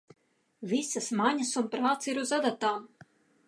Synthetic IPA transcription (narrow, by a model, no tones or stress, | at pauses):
vʲisasmaɲʲasunpɾaːt̪siɾuzad̪at̪aːm